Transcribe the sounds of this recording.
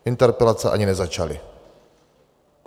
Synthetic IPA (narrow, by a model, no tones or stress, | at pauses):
int̪ɛɾpɛlat̪sa̰ʔa̰ɲinɛzat͡ʃali | k